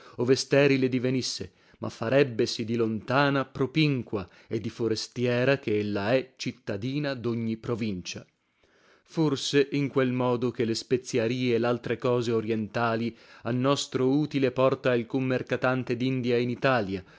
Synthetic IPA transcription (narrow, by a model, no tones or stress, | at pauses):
ovest̪ɛːɾiled̪ivenisːe | mʔa̰fːaɾɛbːesid̪ilont̪aːnapɾopiŋkwa | ed̪ːifoɾest̪jɛːɾakeelːaɛt͡ʃit̪ːad̪iːnad̪oɲːipɾovint͡ʃa | forseʔiŋkwelmɔːd̪ok̟elespet̪sːjaɾiːeːlːalt̪ɾekɔːzeoɾjɛnt̪aːlianːɔst̪ɾouːt̪ilepɔrt̪ailkumːerkat̪ant̪ed̪ind̪iainit̪aːlja